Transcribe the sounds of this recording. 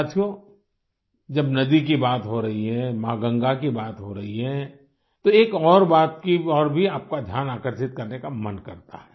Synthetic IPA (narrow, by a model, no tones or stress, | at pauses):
at̪ʰijo | d͡ʒɐbnɐd̪ik̬ibaːt̪ɦoɾɐɦiɦɛmaːɡə̃ŋɡakibaːt̪ɦoɾɐɦiɦɛ | t̪oeːkɔːɾbaːt̪kiɔːɾbʱiaːp̚kad̪ʱjaːnaːkəɾʃɪt̪kɐɾnekamɐnkɐɾt̪a̰ɦɛː